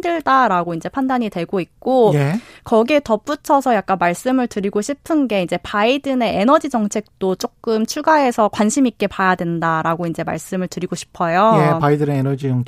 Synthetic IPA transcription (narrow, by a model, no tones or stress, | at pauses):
deɭdaɾaɡoind͡ʑe̞pʰandaɲidwe̞ɡoik̚k͈ojekʌɡietʌp͈ut͡ɕʰʌsʰʌjak̚k͈anmaɭs͈ɯmɯɭtɯɾiɡoɕʰipʰɯnɡe̞ind͡ʑe̞paidɯne̞enʌd͡ʑid͡ʑʌŋt͡ɕʰe̞k̚t͈ot͡ɕ͈ok̚k͈ɯmt͡ɕʰuɡae̞sʰʌkwanɕʰimik͈̚e̞pajadwe̞ndaɾaɡoind͡ʑe̞ma̰ɭs͈ɯmɯɭtɯɾiɡoɕʰi̥pʰʌjojepaidɯneenʌd͡ʑid͡ʑʌŋt͡ɕʰ